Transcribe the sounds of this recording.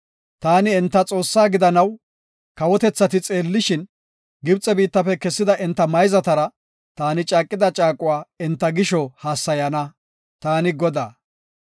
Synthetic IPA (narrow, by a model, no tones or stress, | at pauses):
t̪aːnɪɛnt̪ːɐt͡sʼo̞ːsːaːɡɪd̪ɐnɐw | kɐwɔt̪ɛt͡sːɐt̪ɪt͡sʼe̞ːlːɪʃɪn | ɡɪbt͡sʼːɛbiːt̪ːɐfɛkɛsːɪd̪ɐʔɪnt̪ːɐmɐjzɐt̪ɐɾɐ | t̪aːnɪt͡ʃʼaːkʼːɪd̪ɐt͡ʃʼaːkʼʊwaːɛnt̪ːɐɡɪʃɔhaːsːɐjɐnɐ | t̪aːnɪɡɔd̪aː